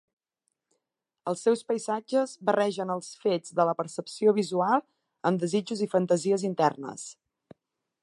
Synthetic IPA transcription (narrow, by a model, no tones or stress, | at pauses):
əlˠsːɛwspəjzad͡ʒəzβərɛʒənəlˠsfed͡zðələpəɾsəpsioβizualˠ | əmd̪əzid͡ʒuzifənt̪əziəzint̪ɛ̰rnə̰s